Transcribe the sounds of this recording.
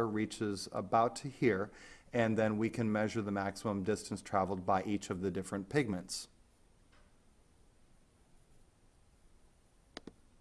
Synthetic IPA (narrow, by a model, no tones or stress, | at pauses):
ə˞ɹit͡ʃɪzə̰baʊtʰɨhiɹɨ̃nðɨ̃nwikʰɨ̃nmɛʒə˞ðəmæksəmə̃mdɪstn̩stʰɹ̥ævl̩ˠd̚baɪʔit͡ʃʌvðɨdɪfɹɨ̃npʰɪɡ̚mɨ̃nts